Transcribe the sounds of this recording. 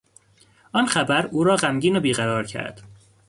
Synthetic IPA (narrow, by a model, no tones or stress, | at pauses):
ʔɒːnxæbæɾuːɾɒːɢæmɟiːnobiːɣæɾɒːɾcʰæ̰ɾd̪̥